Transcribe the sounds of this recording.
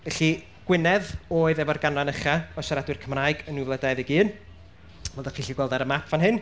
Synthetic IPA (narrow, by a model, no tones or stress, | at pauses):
ɛɬi | ɡ̥wɪnɛðoːɨðɛvɔrɡanɔnəχaɔsaɾadwɪrkʰəmraːɨɡənuvlˠədajðiɡiːn | vɛlˠdaχiɬiɡwɛlˠdaɾəmapʰvanɦɨn